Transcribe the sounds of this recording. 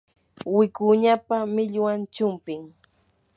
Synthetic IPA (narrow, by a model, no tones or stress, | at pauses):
wɪkʊɲapamɪʎwant͡ʃʊmpɪŋ